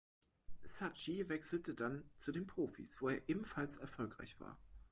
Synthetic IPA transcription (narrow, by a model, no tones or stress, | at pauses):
sat͡ʃivɛksl̩tədant͡sudeːnpʁ̥oːfḭsv̥oːeːɐʔeːbm̩falsɛɐfɔlkʁ̥a̰ɪçv̥a̰ːɐ